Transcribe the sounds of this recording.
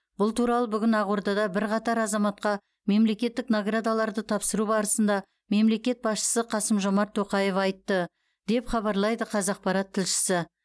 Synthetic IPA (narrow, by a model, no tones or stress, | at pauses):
b̥ʊlˠt̪ʰuɾɑlˠəbʏɡʲɪnɑʁwoɾd̪ɑd̪ɑbɪɾqɑt̪ɑɾɑzɑmɑt̪qɑ | me̞mle̞kʲe̞t̪ːɪknoɡrad̪alˠɑɾd̪ət̪ʰɑpsəɾubɑɾəsənd̪ɑ | me̞mle̞kʲe̞t̪̚bɑsʃə̥səqʰɑsəmʒo̞mɑɾt̪ʰːo̞qɑje̞fɑjt̪ːə | d̪̥e̞pχɑβɑɾlˠɑjd̪əqʰɑzɑq̚pɑɾɑt̪ʰːɪlʃɪ̥sɪ